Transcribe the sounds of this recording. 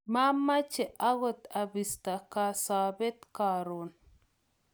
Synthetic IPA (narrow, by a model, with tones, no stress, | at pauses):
ma˦mːa˦t͡ʃe˨ʔa˦ɣo˨t̪abist̪a˨kasabe˦t̪kaɾon